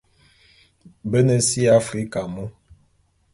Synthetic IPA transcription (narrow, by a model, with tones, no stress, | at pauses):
bə˦nə˨si˦a˦fɾi˦ka˨mu˦